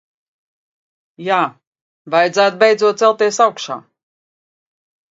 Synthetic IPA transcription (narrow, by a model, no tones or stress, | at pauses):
jaː | vajd̪zaːt̪̚bejd̪zuɔt̪̚sɛlˠt̪iɛsawkʃa̰ː